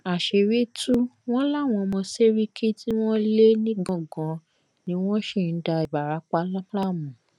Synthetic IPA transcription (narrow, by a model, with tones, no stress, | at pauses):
a˨ʃe˧ɾi˦tu˦w̃ɔ̃˦la˦˨w̃ɔ̃˧mɔ̃˧se˦ɾi˦kʰi˦ti˦w̃ɔ̃˦le˦nĩ˦ɡ͡bɔ̃˦˨ɡɔ̃˨˦ | nĩ˨˦w̃ɔ̃˦ʃe˦˨n̩˨˦da˧i˨ba˨ɾa˨˦k͡pa˦la˦la˦˨mũ˨